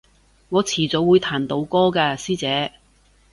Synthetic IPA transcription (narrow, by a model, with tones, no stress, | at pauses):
ŋɔː˨˧t͡sʰiː˨˩t͡so˨˥wuː˨˧jt̪ʰaː˨˩nt̪o˨˧wkɔː˥kaː˧siː˥t͡sɛː˨˧